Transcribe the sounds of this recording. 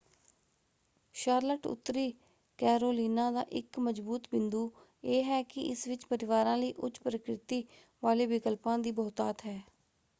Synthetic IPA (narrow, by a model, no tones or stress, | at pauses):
ʃaːɾləʈʊ̰t̪ːɾiː | kɛːɾoːliːnãːd̪a̰ːʔɪkməd͡ʒbuːt̪bɪ̃nd̪uː | eːɦɛːkɪʔɪsʋɪt͡ʃpəɾɪʋaːɾãːləiːʔʊt͡ʃpɾəkɾɪt̪iː | ʋaːleːʋɪkəlpãːd̪iːbɔːt̪aːt̪ɦɛː